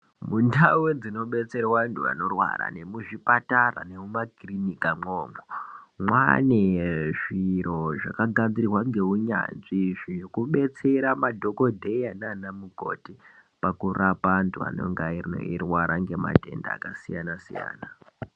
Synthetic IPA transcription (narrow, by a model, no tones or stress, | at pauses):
mundawed͡zino̞ɓe̞t͡se̞rwantʰua̰no̞rwa̰ra̰ne̞muʐipatara̰ne̞mumaɡrinikamoːmomwa̰neʐiɾo̞ʐakaɡʱad͡zirirwaŋɡe̞uɲa̰nʐiʐijokuɓe̞t͡se̞ɾamadʱo̞ko̞dʱe̞jananamuko̰ti | pakurʔapantʰua̰no̞̰ŋɡairno̰irwaɾʔaŋɡe̞ma̰te̞̰nda̰ːkasijanasija̰ːna